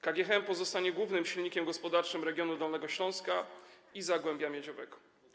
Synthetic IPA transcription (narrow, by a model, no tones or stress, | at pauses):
kaɡʲjɛxɛmpɔzɔst̪aɲɛɡwuvnɘmɕilɲikʲɛmɡɔspɔd̪aɾt͡ʂɘmɾɛɡʲjɔnud̪ɔlnɛɡɔɕlɔ̃w̃ska | izaɡwɛmbʲjamʲjɛd͡ʑɔvɛ̰ɡɔ̥